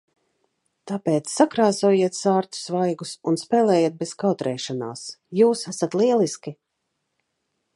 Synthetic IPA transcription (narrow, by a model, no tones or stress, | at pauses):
t̪apeːt̪sːakɾaːzuːjiɛt̪saːɾt̪u̥svajɡusunspɛːlˠɛːjiːt̪̚bez̥kawt̪ɾɛːʃana̰ːsjuːsasat̪lˠiɛlˠiski